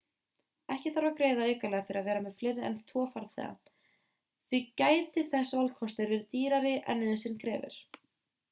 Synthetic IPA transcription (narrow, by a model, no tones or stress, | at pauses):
ɛhcɪθaɾawkɾeːjðaœɥkalɛːɣafɪɾɪaðvɛːɾamɛðflɪːɾɛ̰nt̪ʰɔːfaɾθɛ̰ːɣa̰ | θvicaːjt̪ɪθɛsːavalkʰɔst̪ɪɾvɪɾt̪iːɾaɾɪʔɛ̰nːɪðɪsɪnkʰɾɛːvɪ̰ɾ̥